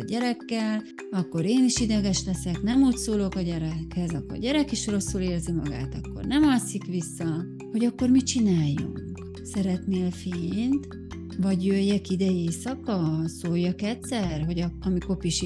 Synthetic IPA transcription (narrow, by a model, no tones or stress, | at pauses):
ɟɛɾɛkːɛl | ɒkːo̞ɾeːniʃid̪ɛɡɛʃlɛsɛknɛmuːcsoːlo̞kɒɟɛɾɛkhɛzɒkːo̰rɟɛɾɛkiʃro̞sːuleːrzimɒ̰ɡa̰ːt̪ɒkːo̞̰rnɛmɒsikʋisːɒ | ho̞ɟɒkːo̞rmit͡ʃinaːjːṵŋk | sɛɾɛt̪neːlfeːnt̪ | vɒɟjøjːɛkid̪ɛjeːsɒkɒsoːjːɒkɛt̪sɛrɦo̞ɟɒɒmiko̞piʃ